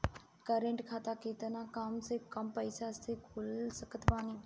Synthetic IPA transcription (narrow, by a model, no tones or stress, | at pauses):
kəɾẽɳʈkʰaːt̪aːkeːt̪ənãːkaːmsekɐmpəjsaəst̪ekʰulsəkʰət̪ʋaːni